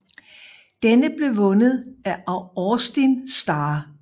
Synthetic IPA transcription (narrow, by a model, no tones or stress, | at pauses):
d̥enəb̥le̝ʋɔ̽nəð̞̩ˠæʔɑʊɒsd̥insd̥ɑː